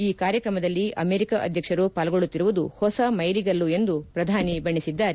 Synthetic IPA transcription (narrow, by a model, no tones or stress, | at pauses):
iːkaːɾjɐkɾɐmɐd̪ɐlːiʔɐ̰meːɾikaʔɐ̰d̪ʱjɐkʂɐɾupaːlɐɡoɭut̪ːiɾuʋud̪uhɔsɐmɐjɾiɡɐlːue̞nd̪upɾɐd̪ʱaːnibɐɳːisid̪ːaːɾe